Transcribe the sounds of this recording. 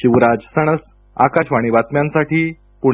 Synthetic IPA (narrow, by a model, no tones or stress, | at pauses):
ɕiʋɾad͡zsəɽ̃əs | a̰kaɕʋaɽ̃iʋat̪mjãnsaʈiː | pu